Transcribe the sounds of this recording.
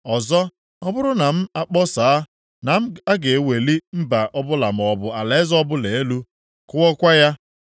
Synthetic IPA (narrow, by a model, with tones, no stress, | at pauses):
ɔ˨zɔ˦ | ɔ˦bʊ˦ɾʊ˦na˨m̩˦a˦k͡pɔ˦sa˨a˦ | na˨m̩˦a˦ɡe˨e˨we˨li˦m̩˦ba˨ʔɔ˦bʊ˦la˨m˨ɔ˨bʊ˨a˨le˨˦zɔ˦bʊ˦le˨e˦lu˦ | kʊ˦ɔ˦kʷa˦ja˦